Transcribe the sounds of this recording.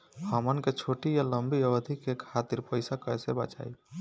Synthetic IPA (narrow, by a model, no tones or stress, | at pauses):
həmənket͡ʃʰoʈijaləmbiəbəd̪ʱikːekʰat̪iɾpəjsakəɛsebə̰t͡ʃa̰j